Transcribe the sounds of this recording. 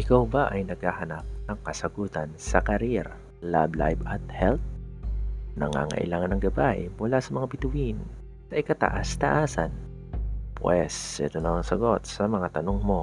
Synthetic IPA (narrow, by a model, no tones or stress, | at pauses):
ʔɪkawbaʔɐjnɐɡ̚hahɐnap̚nɐŋkɐsɐɡuːt̪ɐnsɐkɐɾiɾ | la̰bla̰jbɐt̪̚hɛlt̪̚ | nɐ̰ŋa̰ŋɐ̰ʔɪ̰laːŋɐnːɐŋɡɐbaʔɪ̰mʊlasɐmɐŋabɪt̪ʊwin | nɐʔɪkɐt̪ɐ̰ʔast̪ɐʔaːsɐ̰n | pwɛsɛ̰t̪onɐmɐŋsɐɡo̞t̪̚sɐmɐŋat̪ɐnoŋmo̞